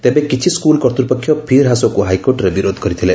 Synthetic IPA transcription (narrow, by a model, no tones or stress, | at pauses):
t̪ebekit͡ʃʰiskulkɔɾt̪ɾupɔkʰːjɔpʰiɾɦasɔkuɦajkoɾʈɾebiɾod̪ʱɔkɔɾit̪ʰile